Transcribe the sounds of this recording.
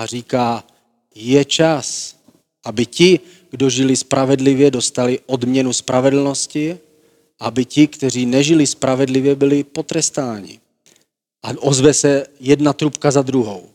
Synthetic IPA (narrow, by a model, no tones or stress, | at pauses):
r̝iːkaː | jɛt͡ʃas | ʔabɪcɪ | ɡ̥do̞ʒɪlɪspɾʔavɛdlɪvjɛdo̞st̪alɪʔo̞dmɲɛnuspɾʔavɛdl̩no̞scɪ | ʔabɪcɪkt̪ɛriːnɛʒɪlɪspɾʔavɛdlɪvjɛbɪlɪpo̞t̪ɾɛst̪aːɲɪ̰ | ʔaʔozvɛsɛjɛdnat̪ɾupkazad̪ɾuɦow